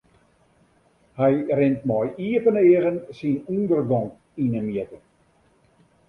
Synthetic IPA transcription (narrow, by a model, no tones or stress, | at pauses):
hɛjrɪntmɔjiəpəneəɣənsinundərɡɔŋt | inəmiətə